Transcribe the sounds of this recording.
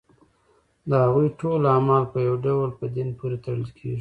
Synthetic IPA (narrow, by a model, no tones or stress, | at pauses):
d̪əhaɣujʈolɑmɑɾpəjawɖawlpəd̪inpoɾet̪aɽəlkʰḛʒi